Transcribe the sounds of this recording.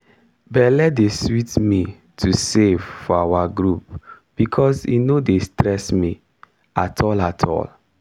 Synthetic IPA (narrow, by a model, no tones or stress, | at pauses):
bɛlɛdeswitmi | tʰusevfɔawaɡɹup̚ | b̥ikʰɔsḭnodestɹɛsmi | atʰɔlatʰɔ̰l